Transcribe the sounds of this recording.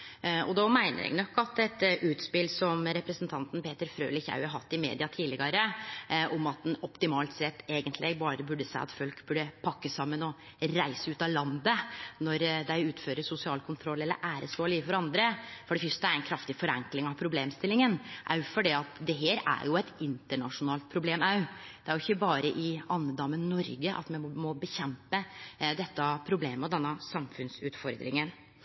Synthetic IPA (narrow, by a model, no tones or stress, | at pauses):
ɔd̪ɔmæɪnə̰ɾɛ̰ɡnɔkːɑt̪ɛt̪ʔʉːt̪spɪlsɔmɾɛpɾəsənt̪ʰɑnt̪n̩peːt̪əɾfɾø̰ːlɪçɑ̰ʉhɑɾɦɑt̪ːɪmḛːd̪ɪɑt̪ʰiːlɪɡɑɾəʔɔmɑt̪̚d̪ɛnɔpt̪ɪmɑːlt̪sɛt̪ːeːɡənt̪ʰlʔɪbɑːɾəbʉɖəsæɪɑ̰t̪fœlkbʉɖəpʰɑkːəsɑmːənɔ | ɾæɪsəʉːt̪ɑlɑnd̪ənɔɾd̪æɪʉːt̪føːɾəsʊsɪɑːlkʰʊnt̪ʰɾɔlːɛlːə̰ɾʔæːɾəsoːliːfɔɾɑnd̪ɾəfɔɖɛfʏst̪əæɾɛnkʰɾɑft̪ɪfɔɾɛŋklɪŋɑʋpʰɾʊbleːmst̪ɪlɪŋənʔæjʊfɔɖiːɑt̪d̪ɛɦeːɾæ̰ɾjʊɛt̪ɪnt̪əɳɑʂʊnɑːlt̪̚pʰɾʊbleːmɑʉd̪̥ɛæɾjʊɪçːəbɑːɾəʔɪɑnːəd̪ɑmːənnɔɾɡəʔɑ̰t̪mɛmɔbəçɛmpəd̪ɛt̪ːɑpʰɾʊbleːməɔd̪ɛnːəsɑmfʉnsʉːt̪fɔɾd̪ɾɪ̰ŋən